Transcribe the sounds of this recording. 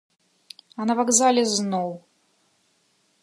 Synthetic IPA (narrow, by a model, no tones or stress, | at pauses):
anɐvaɡzalʲɛznɔw